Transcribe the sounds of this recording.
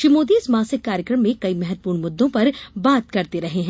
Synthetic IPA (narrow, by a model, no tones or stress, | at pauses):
ʃɾimoːd̪iɪsmãːsɪkːaːɾjəkɾəmːẽkɐimɛɦɛt̪̚puːɾɳmʊd̪ːõpɐɾbaːt̪kɐɾt̪eɾɐɦeɦɛ̃ː